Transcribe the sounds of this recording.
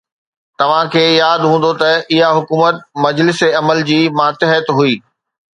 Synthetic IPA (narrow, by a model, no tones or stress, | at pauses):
t̪ɐʋ̤ãkʰeːjaːd̪ɦũːn̆d̪ot̪ɐɪɦaɦʊkuːmət̪̚mɐd͡ʑlɪseɐməld͡ʑiːmaːt̪ɪɦət̪ɦuiː